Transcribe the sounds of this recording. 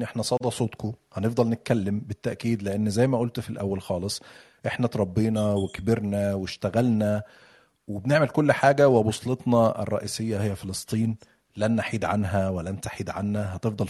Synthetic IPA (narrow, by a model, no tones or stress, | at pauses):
ʔeħnæsˤɑːd̪ˤɑsˤoːt̪kohænefd̪ˤɑlnet̪̚kælːembɪt̪ːæʔkiːd̪leʔenːzæjːmæʔolt̪filʔæ̰wːælxɑːlesˤ | ʔeħnæt̪ɾˤɑbːiːnɑwekbeɾnæweʃt̪æɣælnæ | webneʕmelkolːħaːɡæwebosˤlet̪ˤnɑḛrˤːɑ̰ʔiːsejːæhejːæfelesˤt̪ˤiːn | lænːaħiːd̪ʕanɦæwælænt̪aħiːd̪ʕanːæɦæt̪efd̪ˤɑl